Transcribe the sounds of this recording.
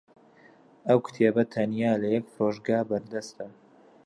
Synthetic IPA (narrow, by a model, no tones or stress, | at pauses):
ʔɐwkʊ̥t̪ʰebɐt̪ʰɐnjaːlɐjɛk̚proːʒɡaːbɐɾd̪ɐst̪ɐ